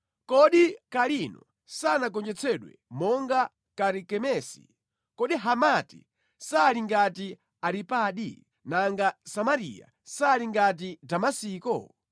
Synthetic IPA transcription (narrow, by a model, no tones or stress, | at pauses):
kɔɗikalinɔ | sanakɔnd͡ʒɛt͡sʰɛɗwɛ̰mɔŋɡa | kaɾikɛmɛsi̥̰ | kɔɗiɦamati̥̰ | saliŋɡati | aɾipaːɗḭ | naŋɡasamaɾḭja̰ | saliŋɡat̬idamasiːkɔ̰